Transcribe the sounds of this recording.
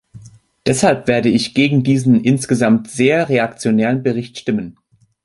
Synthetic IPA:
d̥ɛshalpv̥eːɐdəɪçɡ̥eːɡŋ̩diːzn̩ʔɪnsɡ̥əzamtz̥eːɐʁeakt͡sjonɛːʁənbəʁɪçtʃtɪmən

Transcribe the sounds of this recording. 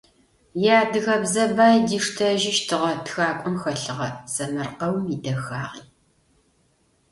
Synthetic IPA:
jaːdɨɣɐbzɐbaːjdiːʂtʰɐʒɪʃtʰɨʁɐtxaːkʷʼɔmxɐɬɨʁɐz̥ɐmɨrqɐwmidɐxaːʁiː

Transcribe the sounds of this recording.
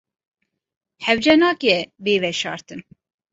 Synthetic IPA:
hɛwd͡ʒɛnɑːkjɛveːvɛʃɑ̰ːɾt̪ɨn

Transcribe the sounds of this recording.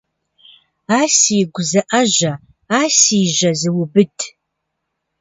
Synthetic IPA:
aːsijɡʷʊzɐʔɐʒɐ | aːsiːʒɐzɨwʊbɨtʰ

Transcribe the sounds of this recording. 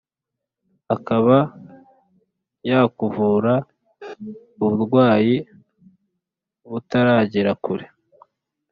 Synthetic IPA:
akaβa | jakuvuːɾa | uβuɾɡwaːji | βutaɾaːɟiɾakuɾe

